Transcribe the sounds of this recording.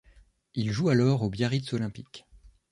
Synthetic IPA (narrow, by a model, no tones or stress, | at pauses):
ilʒualɔʁobjaʁit̪sɔlɛ̃pik